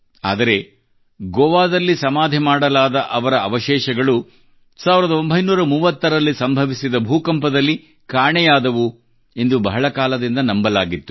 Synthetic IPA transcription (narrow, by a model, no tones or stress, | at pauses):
a̰ːd̪ɐɾe̞ | ɡɔːʋaːd̪ɐlːisɐmaːd̪ʱimaːɽɐlaːd̪ɐʔɐʋɐɾɐɐʋɐʃɛːʃɐɡɐɭu | saːʋiɾɐd̪ɐo̞mbʱɐjnuːɾɐmuːʋɐt̪ːɐɾɐlːisɐmbʱɐʋisid̪ɐbʱuːkɐmpɐd̪ɐlːi | kaːɳɛjaːd̪ɐʋu | end̪ubɐɦɐɭɐkaːlɐd̪ind̪ɐnɐmbɐlaːɡit̪ːu